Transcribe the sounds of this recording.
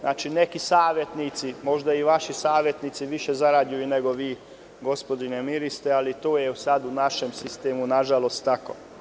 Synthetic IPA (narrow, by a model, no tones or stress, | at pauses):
nʔa̰ːt͡ʃine̞kisaːʋje̞t̪nit̪simo̞ʒd̪aiʋaʃisaːʋje̞t̪nit̪siʋiʃezaɾaːd̪jujuneɡo̞ʋiː | ɡo̞spo̞d̪inemiɾist̪ealit̪oːjeusad̪unaʃemsist̪eːmunaʒalo̞st̪ːako̰ː